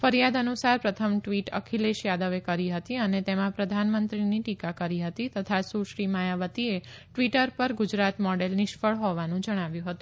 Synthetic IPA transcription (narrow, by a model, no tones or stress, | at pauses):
fəɾijad̪ənusaɾpɾət̪ʰəmʈʋiʈə̰kʰileʃjad̪əʋekəɾiɦət̪iənet̪emãpɾəd̪ʱanmənt̪ɾiniʈikakəɾiɦət̪it̪ət̪ʰasuʃɾimajaʋət̪ieʈʋiʈəɾpəɾɡʊd͡ʒɾat̪mɔɖelnɪʃpəɭɦoʋanũd͡ʒəɽ̃aʋjũɦət̪ũ